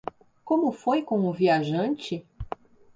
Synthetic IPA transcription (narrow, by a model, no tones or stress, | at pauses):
kõmʊfojkõw̃ʊviaʒɐ̃nt͡ʃɪ